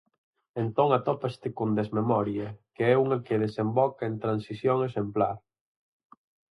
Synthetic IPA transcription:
ent̪oŋat̪ɔpast̪ɪkond̪ezmemɔɾjekeɛuŋekeðesembɔkaent̪ɾansisjoŋesemplaɾ

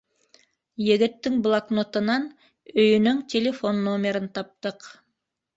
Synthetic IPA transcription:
jɘ̆ɡɘ̆t̪ːɘŋblˠaknot̪ɤ̆nɑn | ɵ̆jɵ̆nɵŋtʲelʲefo̞nːomʲeɾɘnt̪ɑp̚t̪ɤq

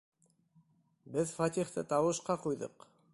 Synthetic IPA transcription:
bɘðfɑt̪ʲiχt̪ɤ̰t̪ɑwɤ̆ʃqɑqujðɤ̰q

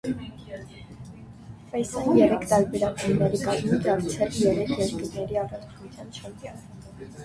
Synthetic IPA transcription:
fɛjsɑnjɛɾɛkʰt̪ɑɾbɛɾɑkunnɛɾikɑzmit͡sɑɾt͡sʰɛljɛɾɛkʰjɛɾkəɾnɛɾiɑrɑt͡sʰnut͡sʰjɑnt͡ʃʰəɾɑnə

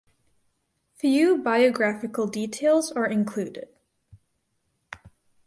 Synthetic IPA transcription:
fjʉbaɪɨɡɹæfɨkl̩ˠditʰeɪlˠzə˞ɨ̃nkʰl̥ʉdɪ̰d̥

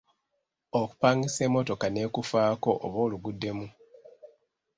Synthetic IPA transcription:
oku̥paːŋɡise̞ːmo̞to̞kane̞ːkufaːko̞ʔːβo̞ːluɡudːe̞mu

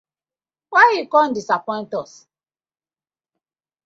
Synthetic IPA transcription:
wajjikɔ̃ndisapɔ̃ɪ̃ntɔs

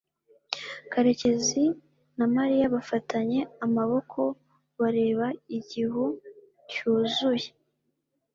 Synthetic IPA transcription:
kaɾe̞ce̞zi | namaɾijaβafatʰaɲe̞amaβo̞kʰo̞ | βaɾe̞ːβaiɟihu | cuːzuje

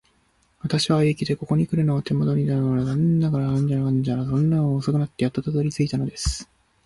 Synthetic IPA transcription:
βat̪aɕiβaekʲid̪e̞ko̞ko̞ɲ̟ikɯ̟ɾɯ̟noːt̪e̞mo̞d̪o̞ɲ̟inanɯnooɾad̪annːaɡaɾaãɲ̟d͡ʑaɾaãɲd͡ʑaɾasõ̞nːaoːsokɯ̟nat̪ːejat̪ːat̪ad̪oɾʲit͡sɨit̪ano̞d̪e̞sɨ̥

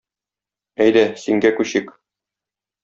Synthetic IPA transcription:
æjd̪æsiŋɡækʉɕɘk

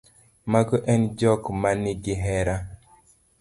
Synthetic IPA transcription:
maɡɔʔɛnd͡ʒɔkmanɪɡɪɦɛɾa

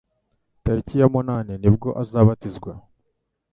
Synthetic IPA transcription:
taɾicijamunaːninib̚ɡo̞ʔazaːβatizɡwa

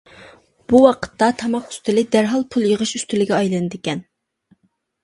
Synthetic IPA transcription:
b̥uwɑqʰə̥t̪ʰːɑt̪ʰɑmɑqy̥st̪ɪlɪd̪æɾɦɑlˠpʰulˠjəʁəʃyst̪ɪlɪɡʲɛɑjlɨnɨd̪ɪkʲɛn

